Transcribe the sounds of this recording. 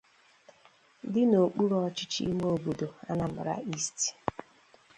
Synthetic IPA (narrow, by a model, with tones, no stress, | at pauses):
dɪ˦no˨k͡pu˦ɾɔ˦t͡ʃɪ˦t͡ʃḭ˦mo˦˨bu˨do˨a˦na˨mʊ̰˨ɾa̰˦i˦sti̥˨